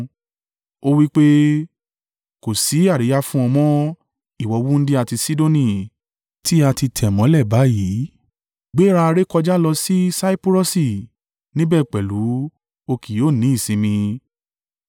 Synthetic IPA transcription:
o˦wi˦k͡pe˦ | ko˨si˨˦a˦˨ɾi˨˦ja˦fũ˦ɔ̃˧mɔ̃˦ | i˦˨wɔ˨˧wu˦n̩˦di˦a˦˧˨ti˧si˦do˦nĩ˦˨ | ti˦a˧ti˧tʰɛ˨mɔ̃˨˦lɛ˦˨ba˨˦ji˨˦ | ɡ͡be˨˦ɾa˧a˧ɾe˦kɔ˧d͡ʒa˦lɔ˧si˦sa˦i˦pu˦ɾo˦si˨ | nĩ˦bɛ˦˨k͡pɛ˨lu˨˦ | o˧kʰi˨joː˦˨nĩ˨˦i˦˨sĩ˨˦mĩ˧

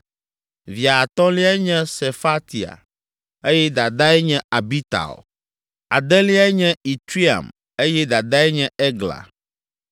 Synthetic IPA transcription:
vi˨a˨t̪ɔ̃˦li˦a˦ɛ˦ɲɛ̃˦se˨fa˦t̪i˨a̰˨ | e˦jɛ˦d̪a˨d̪a˦ɛ˦ɲɛ̃˦a˨bi˦t̪a̰˨o | a̰˨d̪ɛ˦li˦a˦ɛ˦ɲɛ̃˦i˨t̪ɾi˦a̰˨m | e˦jɛ˦d̪a˨d̪a˦ɛ˦ɲɛ̃˦ɛ˦ɡla̰˨

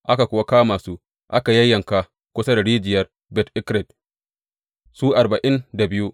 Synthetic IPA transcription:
ʔa˦ka˨kʷʊ˦wa˦kaː˦maː˨su˦ | ʔa˦ka˨jɐ˦jːɐ˨ŋka˨ | kʷʊ˦sa˦da˨ɽiː˦d͡ʒɪ˨jɐ˦r | bɛ˨tʔɪ˦kɾɛ˨d̚ | suː˦ʔa˨rba˨ʔɪ˦nda˨bɪ˦ju˦

